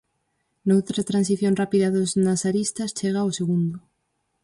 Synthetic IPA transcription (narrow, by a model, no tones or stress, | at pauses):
nowt̪ɾat̪ɾans̬iθjõnrapiðaðoznasaɾist̪ɐst͡ʃeɣ̞aoseɣund̪ʊ